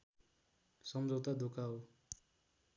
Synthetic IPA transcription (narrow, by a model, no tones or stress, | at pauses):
sʌmd͡ʒʱʌwt̪ad̪ʱokaw